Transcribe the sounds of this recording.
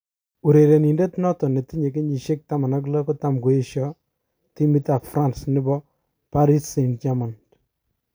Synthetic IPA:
u˨ɾe˨ɾe˨ni˨nde˦tnɔ˦tɔ˨ne˨ti˦ɲe˨k̬e˦ɲi˨ʃe˦k̚ta˦ma˨na˦k̬lɔ˦kɔ˦ta˦mku˨e˦ʃɔ˦ | ti˦mi˦ta˨fɾa˦nsnɪ˦bɔ˦ | pa˦ɾi˦se˨nt͡ʃa˦ma˨n

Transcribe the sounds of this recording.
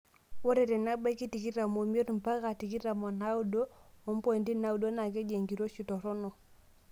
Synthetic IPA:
wo˦ɾe˨te˨na˦ba˦ki˦ti˨ki˦ɾa˨mo˨m˦o˦tmpa˦ka˨ti˨ki˦ɾa˨mo˨na˦u˦do˦o˨˦m˦po˦˨ndi˦na˦u˨do˦na˨ke˦d͡ʒe˨ŋɡi˨ɾo˦ʃi˨to˨ɾo˦no˨

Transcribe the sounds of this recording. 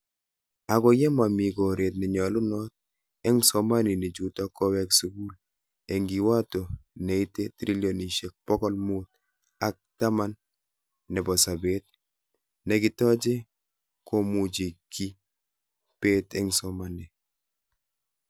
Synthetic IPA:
a˨kɔ˨jɛ˦ma˨mi˨ɡɔ˨ɾe˨t̬̚nɛ˨ɲɔ˨lʊ˦nɔ˦t̚ | ɛ˦ŋsɔ˨ma˦ni˨ni˨d͡ʒu˨tɔ˦kɔ˦wɛ˦ksu˦ɡu˦l | e˨ŋɡi˨wa˦to˨ne˨i˦te˦tɾi˦ljo˨ni˨ʃe˨k̚pɔ˦kɔ˦lmo˦t̚ | a˦k̚ta˦ma˦nː | ɛ˨bɔ˨sa˨be˦t̚ | nɛ˨ɡɪ˦tɔ˦d͡ʒe˦ | ko˦mu˨d͡ʒi˨ki˦ | pe˦tɛ˦ŋsɔ˨˦ma˦nɛ˨

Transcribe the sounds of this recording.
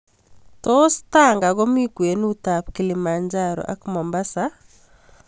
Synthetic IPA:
tɔ˦sta˦ŋɡa˨ɡɔ˦mi˦kwe˨nu˦ta˨pkɪ˨lɪ˨ma˨ɲd͡ʒaɾɔ̰ʔa̰˦kmɔ˨mba˦sa

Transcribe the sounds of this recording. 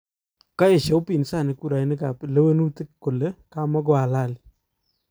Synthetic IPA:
ka˦je˨ʃe˨ʊ˦pi˨nsa˦˨nɪ˨ku˦ɾa˨˦nɪ˦ka˨ple˦we˦nu˦ti˦kkːo˨le˦ka˦ma˦ɡ̬ɔ˨a˨la˦˨li

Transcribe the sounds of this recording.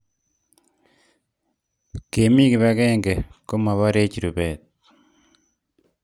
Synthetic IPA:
ke˨mi˦kɪ˨βa˦kɛ˦ŋɡe˨ko˦ma˨βa˦ɾe˦t͡ʃi˨ɾu˨bɛ˨t̪̚

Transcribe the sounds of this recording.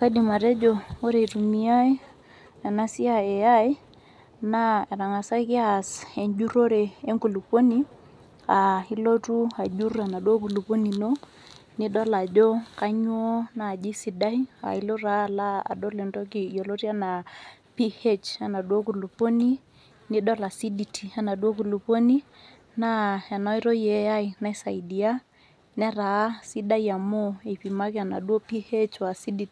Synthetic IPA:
ka˦di˨ma˨ɾɛ˦d͡ʒo˨o˦ɾe˨tu˨mi˦a˦i˦ | a˨na˦si˦a˨e˨a˦j | na˦ɛ˨ɾa˨ŋa˨sa˦ki˦a˨se˨ɲd͡ʒu˦ɾo˦ɾe˨e˦ŋku˨lu˨po˦ni˦ | a˨i˦lo˦tu˦a˨d͡ʒu˦ra˨na˨dwo˦k̬u˨lu˨po˦ni˨no˦ | ni˦dɔ˦la˨d͡ʒɔ˦ka˦ɲwɔ˦na˨d͡ʒi˦si˨da˦i˦a̰˨i˦lo˦ɾa˦la˦a̰˨dɔ˦lɛ˨ndɔ˦kɪ˨jɔ˨lo˦ɾi˦a˦na˨pi˦he˦t͡ʃa˨na˨dwo˦ku˨lu˨po˦ni˦ | nɪ˦ɗɔ˦la˨si˦di˨tʰi˨a˨na˨ɗwo˦ku˨lu˨po˦ni˦ | na˦ɛ˨nɔ˦i˦ɾɔ˦jɛ˨˦a˦i˨na˦i˦sa˨i˨di˨a˦ | nɛ˦ɾa˨˦si˦da˦ja˨mo˦e˨pi˨ma˦kɪ˦a˨na̰˨ɗwo˦pi˦he˦t͡ʃwa˨si˦di˨ti˨

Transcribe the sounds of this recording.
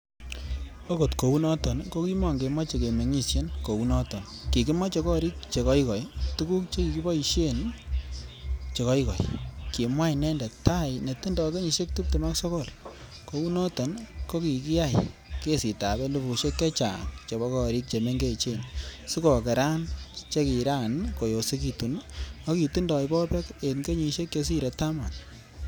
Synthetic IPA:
o˦ko˨tko˨u˦nɔ˦tɔ˨nko˦ki˦ma˨ŋɡe˨ma˦t͡ʃe˨ke˨me˨ŋi˦ʃe˦nko˨u˦nɔ˦tɔ˨n | ki˨ki˦mɔ˦t͡ʃe˨kɔ˦ɾi˦k̚t͡ʃe˨kɔ˦i˦kɔ˨jtu˦ku˦k̚t͡ʃe˦ki˨ki˦bɔ˦i˨ʃe˦n | t͡ʃe˨kɔ˦i˦kɔ̰˨jki˨mwa˦jnɛ˦ndɛ˨ta˦jne˨ti˦ndɔ˨ke˦ɲi˨ʃe˦k̚tu˦p̚te˨ma˦kso˦ko˦˨l | ko˨˦u˦nɔ˦tɔ˨nko˦ki˨ki˦ja˦˨jke˦si˨ta˨bɛ˦lu˦bu˨ʃe˦kje˦t͡ʃa̰˨ŋt͡ʃe˨bɔ˦kɔ˦˨ɾi˦k̚t͡ʃe˨me˦ŋɡe˦˨t͡ʃe˦˨nsu˦kɔ˨kɛ˨ɾa˦nt͡ʃe˦ki˨ɾa˦˨nko˨jo˨si˦ki˨tu˨nɔ˦ki˨tu˦ndɔ˨i˦bɔ˦pɛ˦ke˨nke˦ɲi˧ʃe˦kje˧s̬i˦ɾe˨ta˦ma˨n

